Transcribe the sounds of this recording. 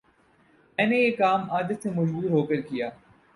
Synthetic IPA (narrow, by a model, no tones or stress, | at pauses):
mɛ̃ːnejeːkaːmaːd̪ət̪semʊd͡ʒbuːɾɦoːkəɾkijaː